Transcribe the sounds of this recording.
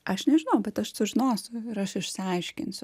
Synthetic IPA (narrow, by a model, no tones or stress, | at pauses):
ʔɐʃnʲɛʒʲɪnɐʊbʲɛt̪ɐʃsʊʒʲɪnoːsʲʊɪɾɐʃɪʃsʲɪɐɪʃʲkʲɪ̰nsʲʊ